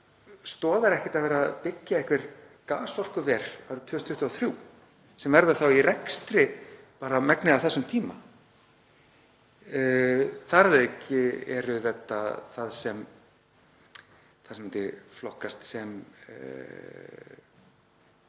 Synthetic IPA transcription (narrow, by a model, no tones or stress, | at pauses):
st̪ɔːðaɾɛhcɪ̥t̪aðvɛːɾapɪcːaɛhkvɪɾ̥ | kaːsɔl̥kʏvɛːɾ̥aɾʏt̪ʰʏːst̪ʰʏht̪uaθɾjuː | sɛmvɛɾðaθawiɾɛkst̪ɾɪ | paːɾamɛknɪaθɛsːʏmt̪ʰiːma | θaɾðecːɪɛ̰ɾʏθɛt̪ːa̰θaðsɛm | θaðsmɪnt̪ɪflɔhkast̪sɛm